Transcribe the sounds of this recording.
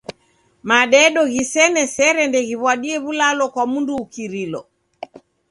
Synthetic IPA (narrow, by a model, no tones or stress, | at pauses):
maɗɛɗɔɣisɛnɛsɛɾɛndɛɣiβwaɗiɛβulalɔkwamunduːkiɾilɔ